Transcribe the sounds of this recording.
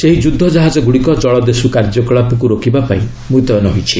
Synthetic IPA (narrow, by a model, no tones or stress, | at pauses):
seɦid͡ʒud̪ʱːɔd͡ʒaɦad͡ʒɔɡuɽikɔd͡ʒɔɭɔd̪esukaɾd͡ʒɔkɔɭapɔk̬uɾokibapa̰ĩ | mut̪ɔjɔnɔɦojt͡ʃʰi